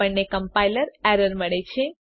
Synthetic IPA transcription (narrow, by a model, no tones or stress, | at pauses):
əɳnekəmpailəɾɛɾəɾməɭet͡ʃʰe